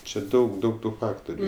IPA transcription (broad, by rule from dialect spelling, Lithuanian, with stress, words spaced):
t͡ʃʲɛ ˈdɐʊk ˈdɐʊk ˈtuː ˈfɑːktoːrʲʊ